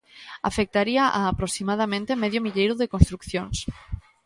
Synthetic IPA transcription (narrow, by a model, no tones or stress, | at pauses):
a̰fek̚t̪aɾiaʔaːpɾosimað̞amẽnt̪emeðjomiʎejɾʊðekonst̪ɾukθjons